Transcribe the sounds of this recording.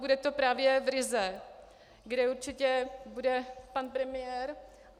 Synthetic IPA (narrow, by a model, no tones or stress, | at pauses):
budɛt̪o̞pɾaːvjɛvɾɪzɛ | ɡdɛuɾt͡ʃɪcɛbudɛpanpɾɛmɪjɛɾ